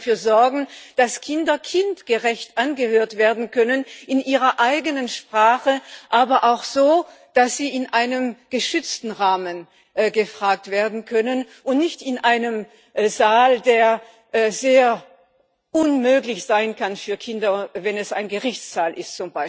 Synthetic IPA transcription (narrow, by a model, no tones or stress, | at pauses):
fyːɐzɔɐɡŋ̩d̥askʰɪndɐkʰɪntɡ̥əʁɛçtʔanɡəhøːɐtv̥eːɐdn̩kʰœnənɪnʔiːʁɐʔaɪɡənənʃpʁ̥aːχəʔaːbɐʔaʊxz̥oː | d̥asz̥iːɪnʔaɪnəmɡ̥əʃʏt͡stn̩ʁaːmən | ɡəfʁ̥aːk̚tv̥eːɐdn̩kʰœnənʔʊntnɪçtɪnʔaɪnəm | ʔzaːldeːɐ | ʔzeːɐ | ʔʊnmøːklɪçz̥aɪnkʰanfyːɐkʰɪndɐvɛnɛsa̰ɪnɡəʁɪçt͡sz̥aːlʔɪstt͡sʊmbaɪ